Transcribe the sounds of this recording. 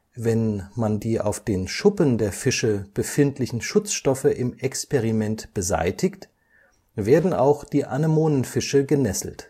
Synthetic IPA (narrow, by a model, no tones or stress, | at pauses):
vɛnmandiːʔa̰ʊfd̥eːnʃʊpəndeːɐfɪʃəb̥əfɪntʰlɪçn̩ʃʊt͡sʃtɔfəʔɪmʔɛkspɛʁimɛntb̥əza̰ɪtʰɪkt | v̥eːɐdn̩a̰ʊxd̥iːʔa̰nəmoːnənfɪʃəɡənɛsl̩t